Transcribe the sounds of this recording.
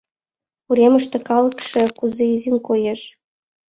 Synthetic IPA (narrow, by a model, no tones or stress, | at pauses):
puɾeməʃt̪ĕkɑlɤ̆kʃĕkuzeizinkojeʃ